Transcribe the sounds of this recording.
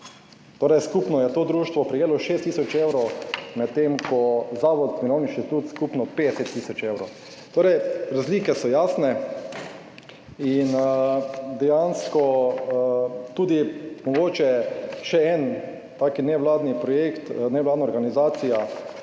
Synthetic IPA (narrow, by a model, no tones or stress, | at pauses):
t̪oːɾɛjskupnɔjɛt̪oːd̪ɾuːʃt̪ʋɔpɾijeːlɔʃest̪ːisɔt͡ʃewɾɔwmat̪t̪ːemkʰɔzaːʋɔd̪k̪miɾoːniʃt̪it̪uːt̪skupnɔped̪ɛsɛt̪ːiːsɔt͡ʃewɾow | t̪oːɾɛjɾazliːkɛsɔjaːsnɛ | in | d̪ɛjanskɔ | t̪ud̪imɔɡoːt͡ʃɛʃɛɛn | t̪aːkinɛʋlaːd̪nipɾɔjekt̪nɛʋlaːd̪naɔɾɡanizaːt̪sija